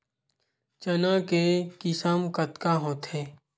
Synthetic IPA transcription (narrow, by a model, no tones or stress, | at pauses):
t͡ʃənakekɪsəmkət̪kaɦoːt̪ɦeː